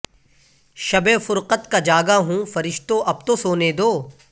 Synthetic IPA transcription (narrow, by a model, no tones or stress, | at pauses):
ʃɐbefʊɾqət̪kad͡ʒaːɡaɦũːfɐɾɪʃt̪õʔɐb̚t̪osoːneːd̪oː